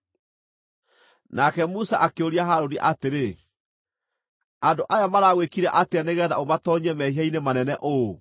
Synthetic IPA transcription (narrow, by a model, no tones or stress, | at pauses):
nakɛmusaʔakeoɾiaɦaɾoniʔateɾe | andoʔajamaɾaːɣwekiɾɛʔateaneɣɛːðaomatɔɲɛmɛhiainemanɛnɛʔo